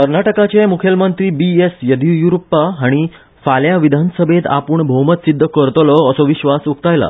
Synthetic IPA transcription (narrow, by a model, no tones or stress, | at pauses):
kəɾnaʈəkat͡ɕemukʰjəlmənt̪ɾiːbiesjəd̪ʱijuɾəpːaɦaɽ̃i | faljaʋid̪ʱansəbʱet̪a̰puːɳbʱəwmət̪sid̪ʱːəkəɾt̪lɔːsɔʋiɕʋasuk̚t̪ajla̰